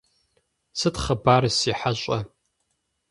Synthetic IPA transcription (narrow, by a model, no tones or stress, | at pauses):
sɨtχɐbaːɾɨsiːħaɕʼɐ